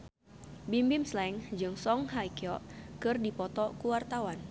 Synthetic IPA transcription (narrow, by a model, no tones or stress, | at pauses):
bimbimslɛŋd͡ʒɨŋsɔŋɦaikiɔʔkɨrdipɔt̪ɔkuwart̪awan